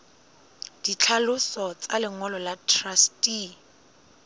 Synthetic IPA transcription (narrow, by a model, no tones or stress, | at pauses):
d̥it͡ɬʰalʊsɔt͡sʼalɪŋɔlɔlatʰrastʼi